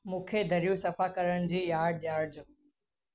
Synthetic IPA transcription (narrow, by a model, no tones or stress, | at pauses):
mũːkʰeːd̪ʱəɾɪjũːsɐfaːkəɾəɽ̃d͡ʑiːjaːɾɖ̚jaːɖ̚d͡ʑoː